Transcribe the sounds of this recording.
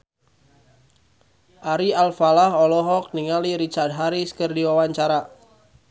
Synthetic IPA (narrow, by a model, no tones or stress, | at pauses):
ʔaɾialfalaɦɔlɔɦɔk̚niŋaliɾit͡ʃard̚ɦaɾiskərdiwawaɲt͡ʃaɾa